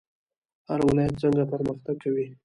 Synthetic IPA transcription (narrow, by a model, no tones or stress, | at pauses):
haɾwɪlɑjat̪̚zaŋɡapəɾməxt̪aɡ̚kawi